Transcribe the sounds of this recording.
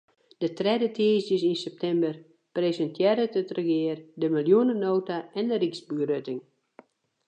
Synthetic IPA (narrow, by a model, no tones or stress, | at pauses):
d̥ətrɛdətʰɪːsjəsinsɛp̚tʰɛmbər | presəntjɛɾətətrəxɪərdəmilˠjunənoːtaɛndəriksburøtɪŋ